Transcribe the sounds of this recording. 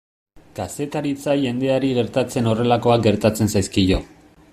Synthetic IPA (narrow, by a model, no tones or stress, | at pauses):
kase̞t̪aɾit͡saʝe̞nd̪e̞aɾiɣe̞ɾt̪at͡se̞no̞re̞lako̞ak̚ɡe̞ɾt̪at͡se̞nsajskiʝo̞